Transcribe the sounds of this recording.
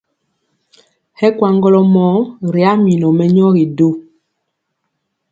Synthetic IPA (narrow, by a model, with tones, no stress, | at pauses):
hɛ˦kwa˨ŋɡɔ˦lɔ˨mɔ˨˦ɾi˨a˦mi˨nɔ˨mɛ˦ɲɔ˦ɣi˨do˦